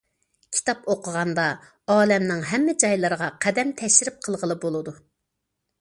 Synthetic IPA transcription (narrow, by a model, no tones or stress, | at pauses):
kʲʰi̥t̪ʰɑpoqʰəʁɑnd̪ɑ | ɑːlɛmnɪŋɦɛmːɪd͡ʒɑjlˠɨɾəʁɑqʰæd̪ɛmt̪ʰɛʃɾɪp̚qʰəlˠʁəlˠɨbolˠɨd̪u